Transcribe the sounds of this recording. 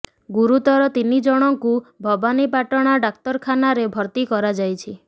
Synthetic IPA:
ɡuɾut̪ɔɾɔt̪inid͡ʒɔɽ̃ɔŋkubʱɔbanipaʈɔɽ̃aɖak̚t̪ɔɾkʰanaɾebʱɔɾt̪ikɔɾad͡ʒajt͡ʃʰi

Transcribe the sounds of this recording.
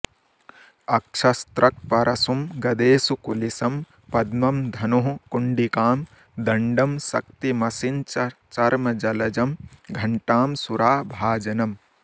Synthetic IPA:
ɐkʃʰɐst̪ɾɐk̚pɐɾʔɐsumɡɐd̪eːsukulisɐm | pɐd̪mɐmd̪ʱɐnoɦũkuɳɖikaːm | d̪ɐɳɖɐmsɐ̰k̚t̪imɐsint͡ʃɐt͡ʃɐɾmɐd͡ʒɐlɐd͡ʒɐmɡʱɐɳʈaːmsuɾaːbʱaːd͡ʒɐnɐm

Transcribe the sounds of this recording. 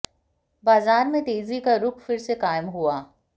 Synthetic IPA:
baːzaːɾmẽt̪eːzikaɾʊkʰfɪɾsekaːɪmɦuaː

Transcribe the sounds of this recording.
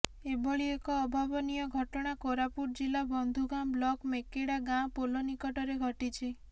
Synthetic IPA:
ebʱɔɭiekɔːbʱabɔnijɔɡʱɔʈɔɽ̃akoɾapuɾ̚d͡ʒilabɔnd̪ʱuɡãblɔkmekeɽaɡãpolonikɔʈɔɾeɡʱɔʈit͡ʃʰi

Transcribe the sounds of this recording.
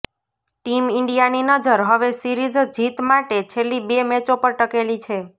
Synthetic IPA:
ʈimɪɳɖijaninəd͡ʒəɾɦəʋesiɾid͡ʒd͡ʒit̪maʈet͡ʃʰelːibemɛt͡ʃopəɾʈəkelit͡ʃʰe

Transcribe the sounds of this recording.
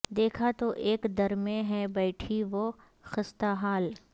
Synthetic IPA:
d̪eːkʰat̪oʔeːkd̪ɐɾmẽɦɛbɛɪʈʰiʋo | xɪst̪aɦaːl

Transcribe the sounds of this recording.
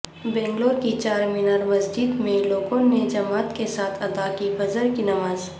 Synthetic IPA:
bɛ̃ːŋɡlõɾkit͡ʃaːɾmɪnəɾmɐzd͡ʒiːd̪mẽloːɡõned͡ʒɐmaːt̪kesaːt̪ʰɐd̪akibɐzəɾkinɐmaːz

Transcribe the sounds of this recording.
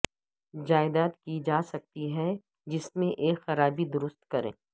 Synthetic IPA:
d͡ʒaːɪd̪aːt̪kid͡ʒaːsɐk̚t̪iɦɛ | d͡ʒɪsmẽʔeːkxɐɾaːbid̪ʊɾʊst̪kɐɾḛ̃ː

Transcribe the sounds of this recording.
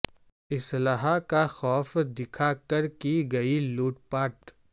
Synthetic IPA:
ɪslaɦakaxɔːfd̪ɪkʰakɐɾkiɡɐiluːʈpaːɾʈ

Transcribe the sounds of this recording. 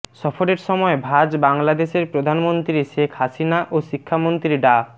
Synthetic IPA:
ʃɔfoɾeɾʃɔmɔebʱad͡ʑbaŋlad̪eʃeɾpɾod̪ʱanmont̪ɾiʃekʰhasinaʔoʃikʰːamont̪ɾiɖa

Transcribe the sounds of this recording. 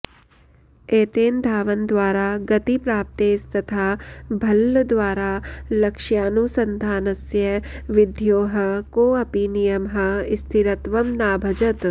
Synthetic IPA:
eːt̪eːnd̪ʱaːʋɐnd̪ʋaːɾaːɡɐt̪ipɾaːp̚t̪eːst̪ɐt̪ʰaːbʱɐlːd̪ʋaːɾaːlɐkʃjaːnusɐ̃nd̪ʱaːnɐsjɐʋɪd̪ʱjoːɦɐ̆koːɐpinijɐmɦɐɪst̪ʰiɾɐt̪ʋɐmnaːbʱɐd͡ʒɐt̪

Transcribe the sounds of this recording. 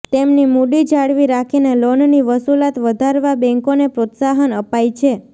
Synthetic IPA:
t̪emnimuɖid͡ʒaɽʋiɾakʰinelonniʋəsulat̪ʋəd̪ʱaɾʋabɛ̃ŋkonepɾot̪saɦənəpajt͡ʃʰe

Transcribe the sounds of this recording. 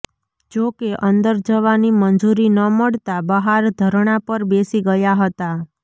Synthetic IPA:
d͡ʒokeʔənd̪əɾd͡ʒəʋanimənd͡ʒuɾinəməɭt̪abəɦaɾd̪ʱəɾɳ̃apəɾbesiɡəjaɦət̪a

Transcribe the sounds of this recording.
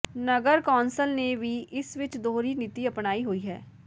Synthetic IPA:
nəɡəɾkɔːnsəlneʋʱiʔɪsʋɪt͡ʃd̪oːɾinɪt̪iəpnaːiɦoiɦɛ̰ː

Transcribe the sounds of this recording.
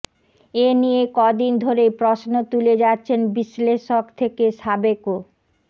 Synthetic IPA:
enijekɔd̪ind̪ʱoɾepɾosnot̪uled͡ʑatːɕʰenbisleʃokt̪ʰekeʃabeko

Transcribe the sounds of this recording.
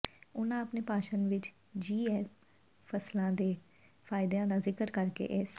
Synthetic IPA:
ʊnãːəpneːpaːʃənʋɪt͡ʃ | d͡ʒiːɛː | pʰəslãːd̪eː | fʰaːɪd̪ãːd̪aːzɪkəɾkəɾkḛːʔɪs

